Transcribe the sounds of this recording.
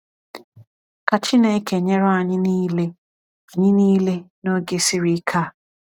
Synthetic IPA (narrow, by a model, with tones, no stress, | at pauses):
ka˨t͡ʃi˦ne˨˦ke˨ɲe˦ɾʊ˦a˨ɲɪ˦niː˦le˦ | a˨ɲɪ˦niː˦le˦no˦ɡe˦si˦ɾi˦kʰa˦˨